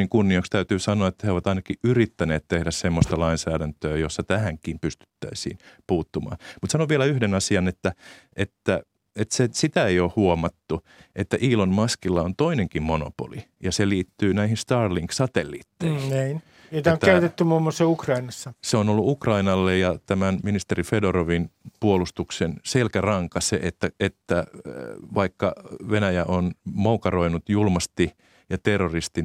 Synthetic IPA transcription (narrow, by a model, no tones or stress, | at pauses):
iŋkunːiokst̪æyt̪yːsɑnoɑet̪ːæheoʋɑt̪ɑinɑkiʔyrit̪ːæneːt̪t̪ehdæssemːost̪ɑlɑinsæːɾænt̪øːjosːɑt̪æhæŋkimpyst̪y̥t̪ːæ̰isḭːnpuːt̪ːumɑ̰ːnmut̪sɑnoʋʋielæyhdenɑsiɑnet̪ːæ | et̪ːæ | et̪sesit̪æeioːhhuomɑt̪ːu | et̪ːæʔiːlonmɑskilːɑont̪oineŋkimmono̰po̰li | jɑseliːt̪ːyːnæihinst̪ɑːrliŋksɑt̪elːḭːt̪ːeiniːn | jot̪eoŋːææyt̪et̪ːymumːosːeukrɑinɑsːɑseonolːuʔukrɑinɑlːejjɑt̪æmænminist̪erifedoroʋinpuolust̪uksenselkærɑŋkɑseʔet̪ːæet̪ːæ | ʋɑikːɑʋenæjæʔonmoukɑroinut̪julmɑst̪i | jɑt̪erːorist̪i